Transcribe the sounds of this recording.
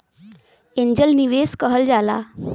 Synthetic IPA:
ẽɲd͡ʑəlniʋeskəɦəld͡ʑala̰

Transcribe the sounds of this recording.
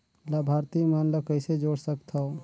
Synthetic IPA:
labʱaɾt̪imanləkəɪsed͡ʒoɽsəkt̪ʰɔo

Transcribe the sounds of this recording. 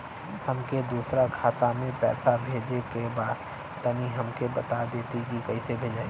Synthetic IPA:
hɐmked̪uːsɾakʰaːt̪amẽpɛ̰ːsabʱeːd͡ʒekebaːd̪ | t̪əniɦɐmkebɐt̪ad̪eːt̪iɡikɐisebʱeːd͡ʒaːe

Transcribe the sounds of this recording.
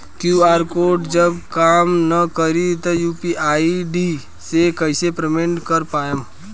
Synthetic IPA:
kjuaːɾkoːʈd͡ʒəbkaːmnəkəɾit̪ɔjuːpiʔaːiɖi | sekəɪsepɾemẽɳʈkəɾpaːem

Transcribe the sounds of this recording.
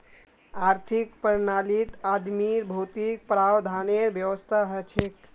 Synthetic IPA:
aɾt̪ʰikpəɾnalit̪ad̪miɾbʱot̪ik̚pɾawd̪ʱaneɾbjəwəst̪ʰaɦət͡ʃʰek

